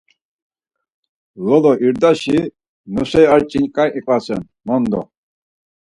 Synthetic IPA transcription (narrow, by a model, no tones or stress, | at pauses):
lɔlɔʔiɾd̪aʃi | nusɛjaɾt͡ʃʼinkʼaɾiqʼasɛn | mɔnd̪ɔ̰